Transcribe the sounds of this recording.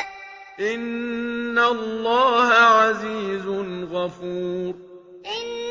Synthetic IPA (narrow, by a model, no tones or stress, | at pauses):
ʔɪnː | alˤːɑːhaʕaziːzʊnɣafuːɾ